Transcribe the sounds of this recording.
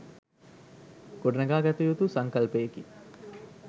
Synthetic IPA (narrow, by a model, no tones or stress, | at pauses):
ɡ̥oɖənɐɡaːɡɛt̪ujut̪usaŋkɐlpeeki